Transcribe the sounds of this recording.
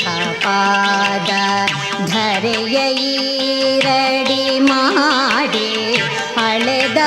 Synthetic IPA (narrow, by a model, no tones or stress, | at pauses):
a | paːd̪ɐ | d̪ʱɐɾɛjɐji | ɾɐɽimaɽi | ɐɭed̪ɐ